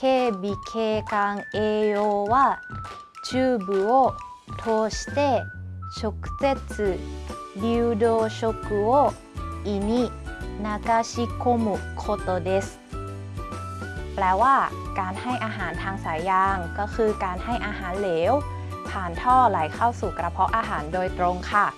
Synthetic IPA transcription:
kʰe˧˨bi˨kʰeː˧ka˧ŋʔeː˧o˧waː˧˥˧ | t͡ɕɯː˧˨bɯ˨˦o˦˥˧ | t̪ʰo˧st̪e˥˨ɕo˧kt͡se˦˥t̪̚sɯ˧˩ | di˧wdo˧ɕo˧kɯ˧o˥˨ | ʔi˧ni˧naː˧ka˧ɕi˦˧˥kʰo˧mu˨˩kʰo˧t̪o˧de˧s | plɛː˧waː˥˩ | kaː˧nha˥˩jʔaː˧ɦaː˩˦nt̪ʰaː˧ŋsaː˩˦jːaː˧ŋkɔː˥˩kʰɯː˧kaː˧nha˥˩jʔaː˧ɦaː˩˦nleː˩˦w | pʰaː˨˩nt̪ʰɔː˥˩laː˩˦jkʰa˥˩wsuː˨˩kɾa˧pʰɔ˦˥ʔaː˧ɦaː˩˦ndoː˧jt̪ɾo˧ŋkʰa˥˩

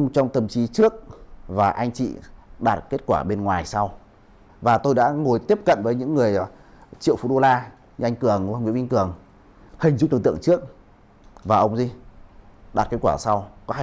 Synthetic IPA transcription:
ŋ͡mt͡ɕɔ˧wŋ͡mt̪ə˨˩mt͡ɕi˨˦t͡ɕɨ˦˥ək̚vaː˨˩ʔa˧jŋ̟t͡ɕḭ˧˨ɗaː˨˩t̚ke˦˥t̚kwaː˧˩ɓe˧nŋwaː˨˩jsa˧w | vaː˨˩t̪o˧jɗa̰ː˧˥ŋo˨˩jt̪i˦˥əp̚kə̰˧˨nvəː˨˦jɲɨ̰˧˥ŋːɨ˨˩əj | t͡ɕḭ˧˨əwfu˨˩ɗo˧laː˧ | ɲɨ˧ʔjŋ̟kɨ˨˩əŋ˧ŋ͡mvɓi˧ŋkɨ˨˩əŋ | hï˨˩ŋ̟zu˧˥ɗɨ˨˩ŋt̪ɨ̰˧˨ə˨ŋt͡ɕɨ˦˥ək̚ | vaː˨˩ʔə˧wŋ͡mzi˧ | ɗaː˨˩t̚ke˦˥t̚kwaː˧˩sa˧wkɔ˨˦˧

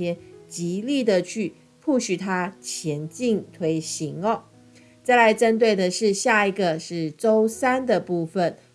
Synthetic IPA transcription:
jɛ˥nt͡ɕi˨˧˥li˥˩d̪ə˨t͡ɕʰy˥˩ | pʰu˥˩ɕy˨˩t̪ʰa˥t͡ɕʰjɛ˧˥nt͡ɕi˥˩ŋt̪ʰwe˧˥ɪɕi˧˦˥ŋə˨˩ | t͡sa˥˩ɪla˧˥ɪʈ͡ʂə˦˥nt̪̬we˥˩ɪd̪ə˨ʂɻ̩˥˧ɕja˥˩i˨˩ɡə˨ʂɻ̩˥˩ʈ͡ʂo˥ʊsa˥nd̪ə˨pu˥˩fə˨˩n

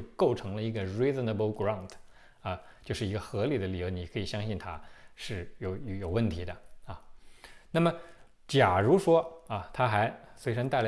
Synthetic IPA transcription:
ko˥˩ʊʈ͡ʂʰɤ˧˥ŋlə˧i˧˥ɡə˧ɹi˥zə˨nə˧˩bə˧˥ʊɡɹa˥˩ntʰ | ɐ˧ | t͡ɕjo˥˧ʊʂɻ̩˥˩i˧˥ɡə˧xɤ˧˥li˨˩d̪ə˦li˨˩jo˧˥ni˨˩kʰɤ˧˥i˨˩ɕjɑ˥ŋɕi˥˩nt̪ʰa̰˥ʂɻ̩˥˩jo˨˩ʊjjo˨˩ʊwə˥˩nt̪ʰi˧˥d̪ə˧ɐ˧˩na˥˩mə˩ | t͡ɕja˨˩ɻu˧˥ʂwɔ˥ɐ˧t̪ʰa˥xa˧˥ɪswe˥ɪʈ͡ʂʰə˥nt̪a˥˩ɪla˧˥

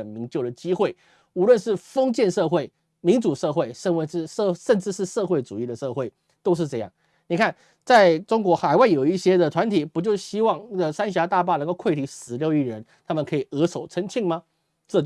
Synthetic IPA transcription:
ə˩nmi˧˥nt͡ɕjo˥˩ʊd̪ə˩t͡ɕi˥xwe˥˩ɪ | u˧˥lwə˥˧nʂɻ̩˥˩fɤ˥ŋt͡ɕjɛ˥˧nʂɤ˥˧xwe˥˩ɪ | mi˧˥nʈ͡ʂu˨˩ʂɤ˥˧xwe˥˩ɪʂə˥˩ŋwe˧˩˥ʂə˥˧nʈ͡ʂɻ̩˥˧ʂɻ̩˥˧ʂɤ˥˧xwe˥˩ɪʈ͡ʂu˨˩i˥˩d̪ə˩ʂɤ˥˧xwe˥˩ɪ | t̪o˥ʊʂ̬ɻ̩˥˧ʈ͡ʂɤ˥˧jɑ̰˥˩ŋ | ni˨˩kʰa˥˩n | t͡sa˥˩ɪʈ͡ʂʊ˥ŋkwɔ˧˥xa˨˩ɪwa˥˩ɪjo˨˩ʊi˥˩ɕjɛ˥d̪ə˨t̪ʰwa˧˥nt̪ʰi˨˩pu˧˥t͡ɕjo˥˧ʊɕi˥wɑ˥˧ŋn˥˩ɡə˨˩sa˥nɕ̬ja˧˥t̪a˥˧p̬a˥˩nə˧˥ŋko˥˧ʊkʰwe˥˩ɪt̪ʰi˧˥ʂɻ̩˧˥ljo˥˧ʊi˥˩ɻə˧˥nt̪ʰa˥mə˨nkʰɤ˧˥i˨˩ɤ˧˥ʂo˨˩ʊʈ͡ʂʰə˧˥nt͡ɕʰi˥˧ŋma˧ | ʈ͡ʂɤ˥˧t͡ɕ

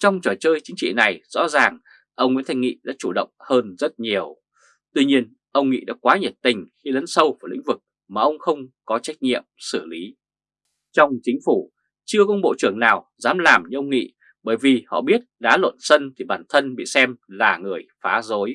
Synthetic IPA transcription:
t͡ɕɔ˧wŋ͡mt͡ɕɔ˨˩jt͡ɕəː˧jt͡ɕï˨˦ŋ̟t͡ɕḭ˧˨na˨˩jz̥ɔ̰˧˥zaː˨˩ŋ | ʔə˧wŋ͡mŋḭ˧˥nt̪ʰjŋḭ˧˨ɗa̰ː˧˥t͡ɕu˧˩ɗə̰˧˨wŋ͡mhəː˧nzə˦˥t̚ɲi˨˩əw | t̪wi˧ɲi˧ən | ʔə˧wŋ͡mŋḭ˧˨ɗa̰ː˧˥kwaː˨˦ɲə˨˩t̚t̪ï˨˩ŋ̟xi˧lə˨˦nsə˧wvaː˧˩lḭ˧˥ŋ̟vɨ˨˩k̚ | maː˨˩ʔə˧wŋ͡mxə˧wŋ͡mkɔ˨˦t͡ɕa˦˥jk̚ɲḭ˧˨əmsɨ˧˩li˨˦ | t͡ɕɔ˧wŋ͡mt͡ɕï˨˦ŋ̟fu˧˩ | t͡ɕɨ˧əkə˧˦ŋ͡mɓo̰˧˨t͡ɕɨ˧˩əŋnaː˨˩wzaː˨˦mlaː˨˩mɲɨ˧ʔə˧wŋ͡mŋḭ˧˨ | ɓəː˧˩jvi˨˩hɔ̰˧˨ɓi˦˥ət̚ɗaː˨˦lwə̰˧˨nsə˧nt̪ʰi˨˩ɓaː˧˩nt̪ʰə˧nɓḭ˧˨sɛ˧mlaː˨˩ŋɨ˨˩əjfaː˨˦zo˨˦j

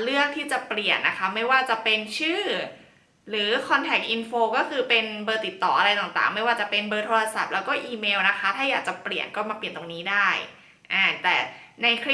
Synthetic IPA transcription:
lɯ˥˩ək̚t̪ʰiː˥˩t͡ɕa˨˩pli˨˩ənːa˦˥kʰa˦˥ma˥˩jwaː˥˩t͡ɕa˨˩pe˧nt͡ɕʰɯː˥˩ | ɾɯː˩˦kʰɔ˧nt̪ʰɛ˨˩k̚ʔi˧nfoː˧kɔː˥˩kʰɯː˧pe˧nbɤː˧t̪i˨˩t̪ːɔː˨˩ʔa˧ɾa˧jt̪aː˨˩ŋt̪a̰ː˨˩ŋma˥˩jwaː˥˩t͡ɕa˨˩pe˧nbɤː˧t̪ʰoː˧ɾa˧sa˨˩p̚lɛː˦˥wkɔː˥˩ʔiː˧meː˧wna˦˥kʰa˦˥t̪ʰaː˥˩jaː˨˩k̚t͡ɕa˨˩pli˨˩ənkɔː˥˩maː˧pli˨˩ənt̪o˧ŋniː˦˥daː˥˩j | ʔaː˧˩t̪ɛː˨˩na˧jkʰi˦˥

